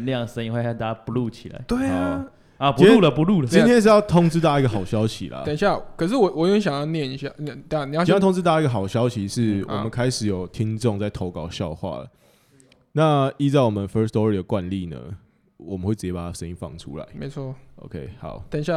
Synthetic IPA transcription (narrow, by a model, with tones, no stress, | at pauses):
ljɑ˥˨˩ŋsə˥ni˧˦ŋxwe˥˧˩ɕa˥˩t̪a˧˦a˧pu˧lu˥˧t͡ɕʰi˨˩la̰˧˦ɪt̪we˥˩ɪ | a˨pu˧˥u˥˨lə˨pu˧˦lu˥˨lə˨t͡ɕi˥ntʰjɛ˥nʂ̬̩˥˧jɑ˥˧˩ʊt̪ʰo˥˧ŋt͡sɻ̩˥t̪a˥˧˩i˧˥ɡə˨˩ɑ˨˩ʊɕjɑ˥˦ʊɕḭ˨lɐ̰˨t̪ə˨˩ɕja˥˩kʰə˨˩ʂ̬ɻ̩˥˩wɔ˨˩wɔ˨˩jo˥˩ə˥˩ɕjɑ˨ŋjɑ˥˧ʊnjɛ˥˨ni˧ɕja˥˩n˥˩t̪a˥˩ni˨˧˥t̪ʰo˥ŋ˧t͡sɻ̩˥t̪a˥˧i˥ɡə˨xɑ˨˩ʊɕjɑ˥ʊɕi˨ʂɻ̩˥˩wwɔ̰˨˩mə˦nkʰa˥ɪʂɻ̩˨˩jo˨˩ʊt̪ʰi˦˥ŋʈ͡ʂo˥˧ŋt͡sa˥˩ɪt̪ʰo˧˥ʊkɑ˨˩ʊɕjɑ˥˨˧ʊxwa̰˥˩lə̰˩ | na˥˨i˥˧t͡sa˥˩ɪwɔ˨mə˨˦nfə˦˥st̪ɔ˧˦ɹi˨˩ə˩kwa˥˧nli˥˨nə̰˩ | wɔ˨˩mə˦nwe˥˩t͡s̩ɻ̩˨˩t͡ɕjɛ˥pa˨˩a˦ʂə˥˦ni˦ŋfɑ̰˥˩ŋʈ͡ʂʰṵ˦˥la̰˧˦ɪme˧˥ɪt͡sʰɔ˥˩o̰˧ʊkʰe˦˥ɪhɑ̰˨˩˦ʊt̪ə˨˩ɕja˥˩